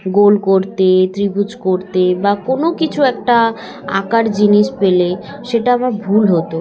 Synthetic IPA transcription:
ɡolkoɾt̪et̪ɾibut͡ɕkoɾt̪ebakonokit͡ɕʰuɛk̚ʈa | a̰kaɾd͡ʑiniʃpele | ʃeʈaamaɾbʱulɦot̪o

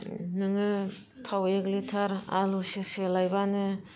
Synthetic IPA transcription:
nɯŋɯ | tʰaweklitʰaɾa̰luseselajbanɯ

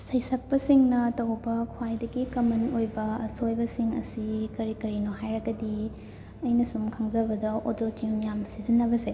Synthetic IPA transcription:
sɐjsɐp̚pːɐsiŋnɐtɐwbɐkʰwajdɐɡikɐmɐnojbɐɐ̰sojbɐsiŋɐ̰sikɐɾikɐɾinoɦajɾɐɡɐdi | ɐjnɐsumkʰɐŋzɐbɐdɐototiŋjamsizinːɐbɐse

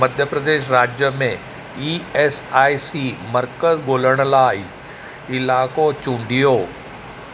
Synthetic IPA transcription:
mɐd̪ʱjəpɾəd̪eːʃɾaːd͡ʒjəmẽ | iːɛsaːisiːməɾkəzɡoːləɽ̃laːi | ɪlaːkoːt͡ʃũɳɖijoː

